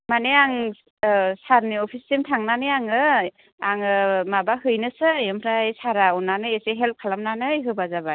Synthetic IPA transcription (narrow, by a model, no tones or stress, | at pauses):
maneaŋ | saɾniɔpʰistimtʰaŋnanɯjaŋɯ | aŋɯmabahɯjnɯsɯjɯmʰɾajsaɾaɔnanɯeseɦelp̚kʰalamnanɯjɦɯbazabaj